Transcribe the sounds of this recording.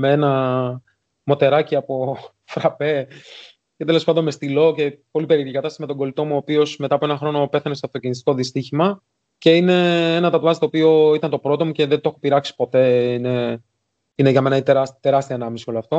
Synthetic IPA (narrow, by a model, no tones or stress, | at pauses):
meenɐ | mo̞t̪e̞ɾɐciɐpo̞ | fɾɐpe̞ | ce̞t̪e̞lo̞spɐnd̪onme̞st̪ilo̞ce̞po̞lipe̞ɾiɾcikɐt̪ɐst̪ɐsme̞t̪o̞ŋɡo̞lit̪o̞muoːpio̞smet̪ɐpoenɐxɾo̞no̞pe̞θɐnest̪eɐft̪o̞cinist̪i̥ko̞ðist̪içimɐ | ce̞ine̞enɐt̪ɐt̪vɐst̪oːpio̞it̪ɐnt̪o̞pɾo̞t̪o̞muce̞ðe̞nt̪o̞xopiɾɐksi̥po̞t̪e̞ine̞ | ineʝɐme̞nɐit̪eɾɐt̪e̞ɾɐst̪iɐenɐmisio̞loɐft̪o̞